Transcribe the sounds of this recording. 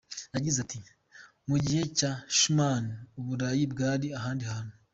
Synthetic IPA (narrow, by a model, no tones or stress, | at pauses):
naɟizati | muɟihe̞caʃumaniuβuɾajibɡaːɾiaɦaːndihano